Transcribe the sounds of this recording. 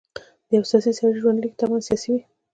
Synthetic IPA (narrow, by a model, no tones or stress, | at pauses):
d̪̥əjawsɑsisɑɾiʒwand̪likt̪awɑnsjɑsiwi